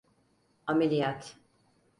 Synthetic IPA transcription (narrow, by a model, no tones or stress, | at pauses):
amelʲijat̪